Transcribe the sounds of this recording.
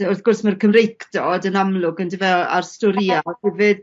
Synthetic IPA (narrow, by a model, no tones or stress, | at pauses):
ʊrθɡ̥ʊrsmərkʰəmrejkʰdɔdənamlˠʊɡəndɪvɛa̰rstʊɾiahɛvɨd̥